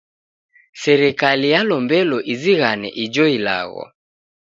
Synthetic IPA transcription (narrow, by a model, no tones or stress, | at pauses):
sɛɾɛkalijalɔmbɛlɔʔiziɣanɛ̰ʔid͡ʒɔila̰ɣɔ̰